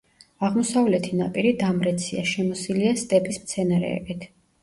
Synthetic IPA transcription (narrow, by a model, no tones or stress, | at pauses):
aʁmɔsavlɛt̪ʰinapʼiɾid̪amɾɛt̪sʰiaʃɛmɔsiliast̪ʼɛpʼismt̪sʰɛnaɾɛ̰ɛ̰bit̪ʰ